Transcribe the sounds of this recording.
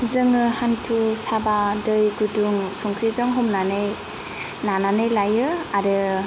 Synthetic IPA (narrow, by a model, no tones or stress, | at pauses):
zɯŋɯhantʰusabadɯjɡuduŋsɔŋkʰɾizɯŋɦɔmnanɯj | nananɯjlajɯaɾɯ